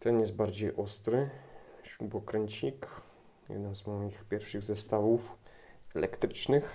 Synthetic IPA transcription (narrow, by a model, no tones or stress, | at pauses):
t̪ɛnjɛsd̪baɾd͡ʑejʔɔst̪ɾɘɕlubɔkɾɛɲt͡ɕik | jɛ̰d̪ɛnzmɔjixpʲjɛɾfʂɘɣzɛst̪avuf | ɛlɛ̰kt̪ɾɘt͡ʂnɘx